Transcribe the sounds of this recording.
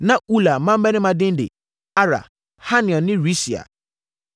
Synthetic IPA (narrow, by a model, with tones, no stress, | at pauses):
nã˦u˦la˨mã˦m̩˦bɛ˦nɪ̃˦mã˨dɪ̃˦n˦dɪ̰˨ | a˦ɾa̰˨ | ha˦nɪ̃˨ɔ̃˨nːɪ̃˦ɾi˦si˨a̰˨